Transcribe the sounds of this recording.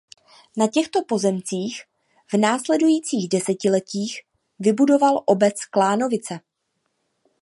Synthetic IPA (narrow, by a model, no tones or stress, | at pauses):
nacɛxt̪o̞po̞zɛmt͡siːx | vnaːslɛdujiːt͡siːɣdɛsɛcɪlɛciːx | vɪbudo̞valʔo̞bɛt͡sklaːno̞vɪt͡sɛ